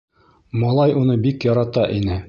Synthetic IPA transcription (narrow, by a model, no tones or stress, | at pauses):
mɑlˠɑjunɤbikjɒɾɑt̪ɑʔinɘ